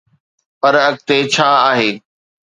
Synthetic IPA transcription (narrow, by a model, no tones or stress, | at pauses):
pɐɾɐɡ̚t̪et͡ɕʰaːaːɦeː